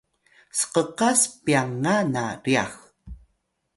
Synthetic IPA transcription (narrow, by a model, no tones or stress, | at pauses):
sə̥qəqaspiaŋːanaɾia̰x